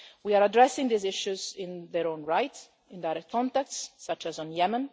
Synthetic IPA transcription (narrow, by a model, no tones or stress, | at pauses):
wiaɹadɹɛsɪ̃ŋd̪izɪʃuzɪ̃nðɛɾõʊ̃nɹajt | ɪ̃nd̪ajɾɛk̚t̪̚kʰɔ̃nt̪ɛk̚tsːat͡ʃæzɔ̃njɛmə̃n